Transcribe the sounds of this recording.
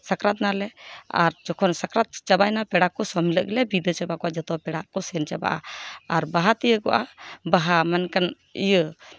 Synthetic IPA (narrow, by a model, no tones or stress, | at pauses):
sakɾat̪̚nalɛa̰ɾd͡ʒɔkʰɔnsakɾat̪̚t͡ʃabajnapɛɽaʔkːɔsɔmilə̰ʔɡɛlɛbid̪ət͡ʃabakɔʔad͡ʒɔt̪ɔpɛɽaʔkɔsɛnt͡ʃaba̰ʔa̰aɾbaɦat̪ijəɡɔ̰ʔabaɦamankan | ḭjə